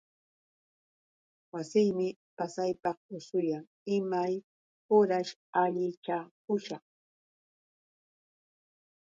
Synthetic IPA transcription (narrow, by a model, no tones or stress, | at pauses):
wasɪjmɪpasajpɑχʊsʊjaŋ | ɪmaj | ʊɾaʃaʎɪt͡ʃakʊʃɑχ